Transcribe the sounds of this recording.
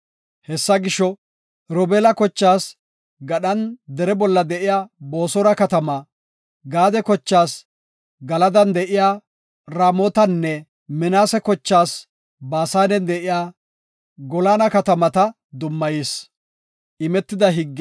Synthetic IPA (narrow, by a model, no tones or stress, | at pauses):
hɛsːɐɡɪʃɔ | ɾɔbɛlɐkɔt͡ʃːaːs | ɡɐɗɐnd̪ɛɾɛbɔlːɐd̪ɛʔɪjaːbo̞ːsɔɾɐkɐt̪ɐmɐ | ɡaːd̪ɛkɔt͡ʃːaːs | ɡɐlɐd̪ɐnd̪ɛʔɪjaː | ɾaːmɔːt̪ɐnːɛ | mɛnaːsɛkɔt͡ʃːaːs | baːsaːnɛnd̪ɛʔɪjaː | ɡɔlaːnɐkɐt̪ɐmɐt̪ɐ | d̪ʊmːɐjis | ʔɪmɛt̪ːɪd̪ɐɦɪɡː